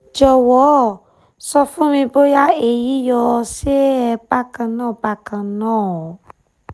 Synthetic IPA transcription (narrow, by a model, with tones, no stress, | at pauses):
d͡ʒɔ˨wɔ˨˦˨ | sɔ˧fũ˦mĩ˧bo˦ja˦e˦˨ji˨˦jɔ˧se˦ɛ˧ba˦kã˧nãː˦˨ba˦kã˧nãː˦˨ɔ˨˦